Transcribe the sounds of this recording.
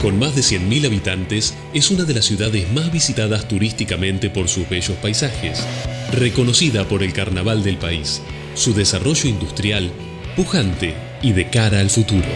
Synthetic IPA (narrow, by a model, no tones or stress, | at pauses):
ko̞nmazðe̞sjenmilaβit̪ant̪es | esunaðe̞lasːjuðaðezmazβisit̪aðast̪uɾist̪ikamẽ̞nt̪e̞po̞ɾsuzβeʒo̞spajsaxḛsreko̞no̞siðapo̞ɾe̞lkaɾnaβ̞ald̪elpaisː | uðesaro̞ʒo̞ind̪ust̪ɾjal | puxant̪e | iðe̞kaɾaːlfut̪uɾo̰